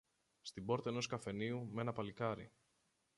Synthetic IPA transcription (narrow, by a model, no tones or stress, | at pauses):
st̪ibo̞ɾt̪ɐeno̞skɐfe̞niume̞nɐpɐlikɐɾḭ